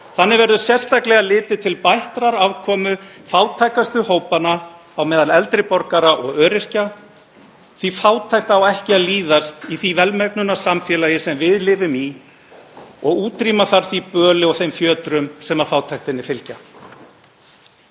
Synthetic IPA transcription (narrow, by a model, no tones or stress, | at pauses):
θanːɪvɛɾðʏsjɛr̥st̪aklɛɣalɪːt̪ɪt̪ʰɪlpajht̪ɾaɾavkʰɔːmʏfaːwt̪ʰajkast̪ʏhoːwpanaː | wmɛːðalɛlt̪ɾɪpɔɾkaɾaʔɔɣœːɾɪr̥ca | θifaːwt̪ʰajht̪awɛhcɪaliːðast̪iθivɛlmɛknʏnasamfjɛːlajɪsɛmvɪðlɪːvʏmi | ɔɣuːt̪ɾiːmaθaɾ̥θipœːlɪɔɣθejmfjœːt̪ɾʏmsɛmafaːwt̪ʰajht̪ɪnːɪfɪlca